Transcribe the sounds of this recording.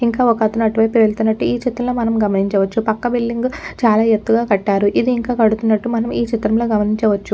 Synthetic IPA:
iŋkaːɔkɐt̪unɐʈʋɐjpːiʋeɭt̪unːɐʈːuiːt͡ʃit̪ːɾɐmloːmɐnɐmɡɐmɐniɲt͡ʃɐʋɐt͡ʃːupɐkːɐbilːiŋɡt͡ʃaːlaːet̪ːuɡaːkɐʈːaːɾuʔid̪iːŋkaːkɐɽut̪unːɐʈːumɐnɐmiːt͡ʃit̪ɾɐmloːɡɐmɐniɲt͡ʃɐʋɐt͡ʃːu

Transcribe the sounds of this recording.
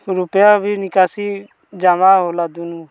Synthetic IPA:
ɾʊpjabʱinɪkaːsi | d͡ʒamaːɦolaːd̪unuː

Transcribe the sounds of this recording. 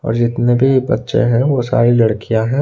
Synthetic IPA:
ɔ̰ːɾd͡ʒɪt̪nebʱibɐtːʃḛ̃ɦɛ̃ʋosa̰ːɾilɐɽkijãɦɛ̃

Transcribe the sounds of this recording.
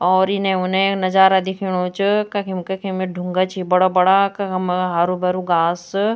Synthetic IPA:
ɔːɾinẽʊnẽknɐd͡ʒaːɾad̪ɪkʰiɽ̃ot͡ʃkɐkʰimkɐkʰimeɖʱʊ̃ŋɡat͡ʃʰibɐɽabɐɽakɐmɦaːɾubɐɾuɡaːs

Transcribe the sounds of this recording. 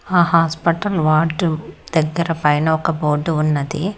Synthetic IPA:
aːɦaːspɐʈɐlʋaːɾɖd̪̥ɐɡːɐɾɐpɐjnɐɔkɐboːɾɖunːɐd̪i

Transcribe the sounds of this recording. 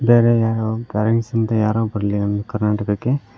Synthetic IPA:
beːɾejaːɾokaɾɐŋsɐnt̪ɐjaːɾoːbɐɾɐlinɐnɐkɐɾnaːʈɐkɐkːe̞

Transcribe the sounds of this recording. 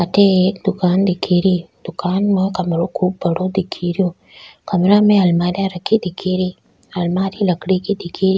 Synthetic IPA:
ateekd̪ukand̪ikʰːiɾid̪̥ukaːnməkɐmɾokʰuːb̚bɐɽod̪ikʰːiɾio | kɐmeɾamealmadiaɾəkːid̪ikʰːiɾi | ɐlmadilɐkɽikid̪ikʰːiɾi

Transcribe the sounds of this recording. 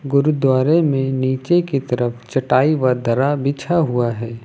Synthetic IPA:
ɡʊɾud̪waːɾemẽniːt͡ʃekit̪ɐɾəfʰt͡ʃɐʈaːiʋad̪ɐɾabit͡ʃʰaɦuaɦɛː

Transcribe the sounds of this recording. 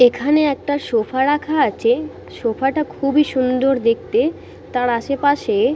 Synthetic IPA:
ekʰaneɛk̚ʈaʃofʰaɾakʰaat͡ɕʰe | ʃofʰaʈakʰubiʃund̪oɾd̪ek̚t̪e | t̪aɾaʃepaʃe

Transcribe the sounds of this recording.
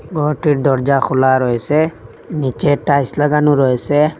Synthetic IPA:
ɡɔʈiʈd̪ɔɾd͡ʒaxʰulaɾɔjse | nit͡ʃeʈajslaɡanuɾɔese

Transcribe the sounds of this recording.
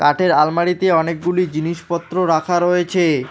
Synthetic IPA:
kaʈʰeɾalmaɽit̪eɔnek̚ɡulid͡ʑiniʃpɔt̪ːɾoɾakʰaɾoet͡ɕʰe

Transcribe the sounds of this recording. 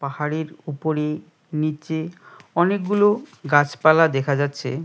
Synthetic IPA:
pahaɾeɾupoɾe | nit͡ɕeɔnek̚ɡuloɡat͡ɕpalad̪ekʰad͡ʑatːɕʰḛ

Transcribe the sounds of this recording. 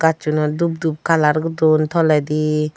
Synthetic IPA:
ɡ̥at͡ʃunadub̚d̪up̚kʰalaɾɡɯdɔnt̪ʰɔlad̪i

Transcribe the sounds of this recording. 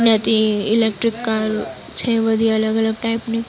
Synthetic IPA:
njat̪iɪlek̚ʈɾɪkːaːɾ | t͡ʃʰeʋɐd̪ʱijɐləɡɐləɡ̚ʈaɪpnik

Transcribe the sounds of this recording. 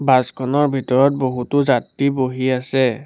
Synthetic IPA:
baskʰɔnɔɹbʱitɔɹɔt̚boɦutʊzatːiboɦiasɛ

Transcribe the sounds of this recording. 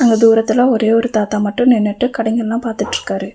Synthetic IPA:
ɐŋɡɐd̪uːɾɐt̪ːɪlɐɔɾeːɔɾɯt̪aːt̪aːmɐʈːʊ̃nɛnːɛʈːɯkɐɽɐŋɡɐɭlãːpaːɾt̪ɯʈːɾɯkːaːɾɯ

